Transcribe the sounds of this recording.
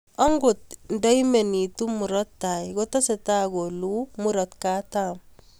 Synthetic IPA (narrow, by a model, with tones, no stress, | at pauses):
ɔ˦ŋɡo˨t̚nda˦ime˨ni˨tu˦mu˨ɾɔ˦tːa˨jko˦tɔ˦sɛ˨ta˦ɡolu˦mu˦ɾɔtka˦tam